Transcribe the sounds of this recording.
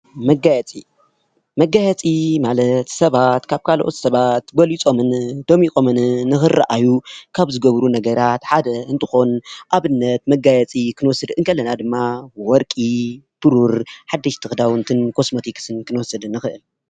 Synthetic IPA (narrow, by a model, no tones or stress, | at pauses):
mɐɡajɛt͡sʼi | mɐɡajɛt͡sʼimalɐt̪sɐβat̪kʰaβkʰalʔo̞̰t̪sɐβat̪bɐlit͡sʼo̞mɨnd̪̥omikʼo̞mɨnːɨxɨra̰ʔajukʰaβzɨɡɐβɾunɐɡɐɾat̪ħad̪ɐɨnt̪ʰɨxo̞nʔaβɨnːɐt̪mɐɡajɛt͡sʼikʰɨnɨwɔsːɨd̪ɨŋkʰɐlːɐnad̪ɨmːawɔɾkʼi | b̥ɨɾuɾħad̪ːɐʃt̪ʰɨxd̪awɨnt̪ʰɨnkʰo̞smo̞t̪ʰiksɨnkʰɨnɨwɔsɐd̪ɨnːɨxɨʔɨl